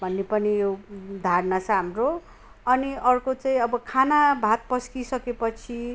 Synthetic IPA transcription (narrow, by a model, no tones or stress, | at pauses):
bʱʌnːepʌnijowd̪ʱarnat͡sʰʌɦamro | ʌniʔʌrkot͡saĩʌbʌkʰanabʱat̪̚pʌskisʌkepʌt͡sʰi